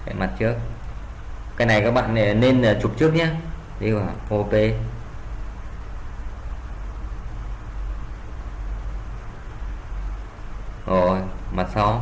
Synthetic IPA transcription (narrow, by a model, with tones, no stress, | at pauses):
hḛ˧˨ma˨˩t̚t͡ɕɨ˦˥ək̚ | kːaː˦˥jna˨˩jkaː˦˥k̚ɓa̰ː˧˨nɗe˧˩˨ne˧n˨˩t͡ɕu˨˩p̚t͡ɕɨ˦˥ək̚ɲaː˨˦˥ | ɗi˧vaː˨˩ʔo˧pe˧ | ʔo˧˩jma˨˩t̚sa˧w